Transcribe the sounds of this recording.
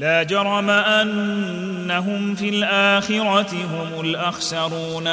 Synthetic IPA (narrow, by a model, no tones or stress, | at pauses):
laːd͡ʒɑɾˤɑmaʔanː | aɦʊmfiːlʔaːxɪɾˤɑt̪ɪɦʊmʊlʔaxsɑɾˤuːn